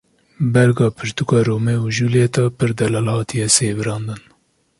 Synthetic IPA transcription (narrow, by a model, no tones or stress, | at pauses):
bɛɾɡɑːpʰɨʃt̪ukɑːɾoːmɛuʒuleːt̪ɑːpʰɨɾd̪ɛlɑlhɑːt̪ʰijɛseːvɨɾɑːnd̪ɨn